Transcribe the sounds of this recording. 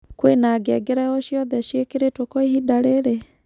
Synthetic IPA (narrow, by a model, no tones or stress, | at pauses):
kwenaɡɛɡeɾɛɔʃjɔðɛʃjekeɾetokoehidaɾeɾe